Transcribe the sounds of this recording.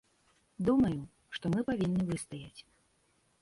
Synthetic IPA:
d̪umɐju | ʂt̪ɔmɨpavʲinːɨvɨst̪ajat͡sʲ

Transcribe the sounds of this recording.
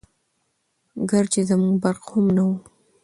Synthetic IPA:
ɡaɾt͡ʃezamuŋɡbaɾqhʊmnawu

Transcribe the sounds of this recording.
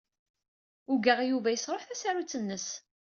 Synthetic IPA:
ʊɡəʁjuvæjəsɾˤoħθæsaɾut͡sːənːəs

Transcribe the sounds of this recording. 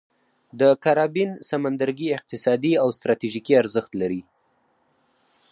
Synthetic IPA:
d̪əkaɾɑbinsamand̪aɾɡiɪq̚t̪ɪsɑd̪iawst̪ɾɑt̪iʒikiaɾzəxt̪laɾi

